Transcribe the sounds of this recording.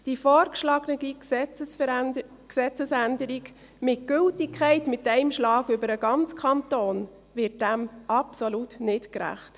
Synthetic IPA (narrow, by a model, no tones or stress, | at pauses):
d̥ifɔːɾkʃlɑɡnədi | ksɛt͡səsændəɾiɡ | mɪt̚ɡ̥ʏltɪkʰχæɪtmɪtɛɪmʃlɑːɡʏbəɾəɡɑnt͡skʰɑntoːn | ʋɪrt̚d̥æmʔɑpsolutnɪtkɾæ̰χt